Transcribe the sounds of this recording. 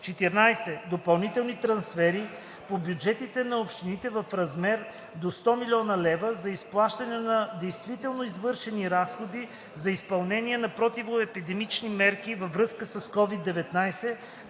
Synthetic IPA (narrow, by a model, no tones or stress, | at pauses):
t͡ʃɛt̪iɾnajsɛd̪opɐlˠnit̪ɛlˠnit̪ɾɐnsfɛɾi | pobjud͡ʒɛt̪it̪ɛnɐopʃt̪init̪ɛvɐfɾɐzmɛɾ | d̪ost̪ɔmilʲiɔnɐlɛvəzɐisplˠaʃt̪ɐnɛnɐd̪ɛjst̪vit̪ɛlˠnoizvɤɾʃɛniɾasxod̪i | zɐispɐlˠnɛniɛnɐpɾot̪ivoɛpid̪ɛmit͡ʃnimɛɾkivɐvɾɤskəsɐskɔvid̪ːɛvɛt̪najsɛ